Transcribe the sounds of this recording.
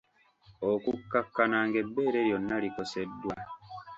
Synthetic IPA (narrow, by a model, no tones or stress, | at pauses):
okukːakːanaŋɡe̞bːe̞ːɾeɾjo̞nːaliko̞sedːwa